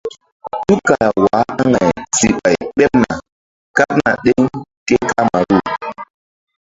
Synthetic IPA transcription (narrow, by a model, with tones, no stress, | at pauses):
tu˦ka˨la˨wa˨˦a˦ŋa˨jzi˨ɓa˨jɓɛ˦p̚na˨ | ka˦p̚na̰˨ɗe˦ŋke˦ka˦ma˨ɗu˦˨